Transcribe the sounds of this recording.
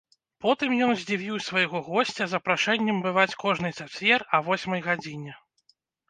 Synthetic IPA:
pɔt̪ɨmjɔnzʲd͡zʲivʲiwsvajɣɔɣɔsʲt͡sʲɐzɐpɾaʂɛnʲːɛmbɨvat͡sʲkɔʐnɨjt̪sat͡sʲɛrɐvɔsʲmɐjɣad͡zʲinʲɛ

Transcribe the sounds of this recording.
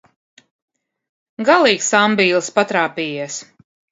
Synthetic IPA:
ɡalˠiːksambiːlˠspat̪ɾaːpiːjɛs

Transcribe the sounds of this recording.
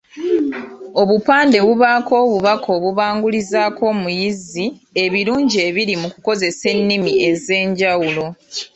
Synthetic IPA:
o̞βupaːnde̞βuβaːko̞ːβuβakʰo̞ːβuβaːŋɡulizaːko̞ːmujizie̞βiɾuːɲɟie̞ːβiɾimukuko̞ze̞se̞nːimie̞ze̞ːɲɟawulo̞

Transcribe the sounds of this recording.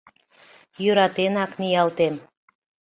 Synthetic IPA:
jøɾɑt̪enɑknijɑlt̪em

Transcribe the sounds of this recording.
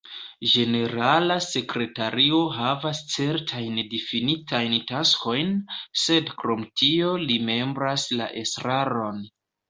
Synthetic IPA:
d͡ʒe̞ne̞ɾalase̞kɾe̞taɾio̞ɦavast͡se̞ɾtʰajndifinitʰajntasko̞jnse̞dkɾo̞mtʰio̞lime̞mbɾasla̰ʔe̞sɾaɾo̞n

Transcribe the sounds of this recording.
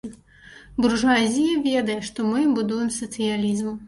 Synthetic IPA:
burʐazʲijɐvʲɛd̪ɐjɛʂt̪ɔmɨbud̪ɔjɛmsɐt̪sɨjalʲizmu

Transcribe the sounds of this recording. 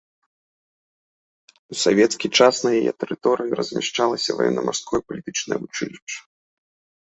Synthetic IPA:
usavʲɛt̪skʲijt͡ʂasnɐjajɛ̰t̪ɛɾɨt̪ɔɾɨjiɾɐzʲmʲaʂt͡ʂalˠɐsʲɐva̰jɛ̰nːɐmarskɔjɐpɐlʲit̪ɨt͡ʂnɐjɐvut͡ʂɨlʲiʂt͡ʂːɐ̥

